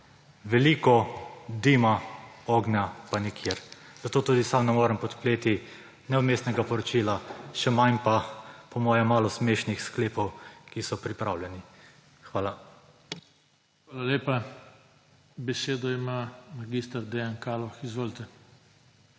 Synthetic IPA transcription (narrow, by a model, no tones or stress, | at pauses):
ʋɛliːkɔd̪iːmaoːɡnjapanikʰjeːɾ | z̥at̪oːt̪uːd̪isamnɛmoːɾɛmpɔt̪pleːt̪i | nɛumeːst̪nɛɡapɔɾɔt͡ʃilaʃɛmanpapɔmɔːjɛmaːlɔsmeːʃnixskleːpɔwkisɔpɾipɾaːwlʲɛni | xʋaːla | xʋaːlaleːpa | bɛseːd̪ɔimamaɡist̪ɐɾd̪ɛjankaːlɔxizʋoːlt̪ɛ